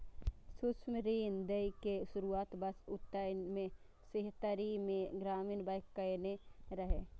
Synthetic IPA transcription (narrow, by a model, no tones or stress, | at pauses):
sʊsmɾiːnd̪eikeʃʊɾuaːt̪bəsʊt̪ːəmẽ | sɪɦt̪əɾimẽɡɾaːmiːnbəjkːəjneɾəɦe